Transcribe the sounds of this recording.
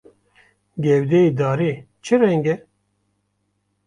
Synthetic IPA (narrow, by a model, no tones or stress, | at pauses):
ɡɛwd̪eid̪aːɾeː | t͡ʃʰɨɾɛŋɡɛ